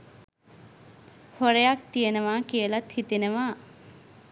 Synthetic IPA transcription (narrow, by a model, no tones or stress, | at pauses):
hoɾejak̚t̪ijənəʋaːkijəlat̪hit̪inəʋaː